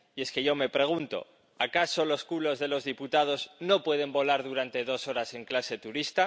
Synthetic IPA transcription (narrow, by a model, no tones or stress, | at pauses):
ie̞ske̞ʝo̞me̞pɾe̞ɣ̞unt̪o̞̰ | akaso̞lo̞skulo̞zðe̞lo̞zðiput̪að̞o̞zno̞pwe̞ðe̞mbo̞laɾðuɾant̪e̞ðo̞so̞ɾase̞ŋklase̞t̪uɾist̪a